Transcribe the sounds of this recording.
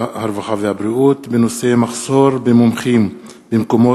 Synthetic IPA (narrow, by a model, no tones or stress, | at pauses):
haɾvaχavehabɾiʔut̪beno̞se̞maχso̞ɾbemomχim | bemko̞mo